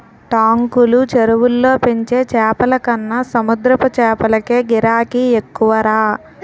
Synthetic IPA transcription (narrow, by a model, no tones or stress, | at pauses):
ʈaːŋkulut͡ʃeɾuʋulːo̞ːpeɲt͡ʃe̞ːt͡ʃɛːpɐlɐkɐnːɐsɐmud̪ɾɐpɐt͡ʃɛːpɐlɐkeːɡiɾaːkiekːuʋɐɾaː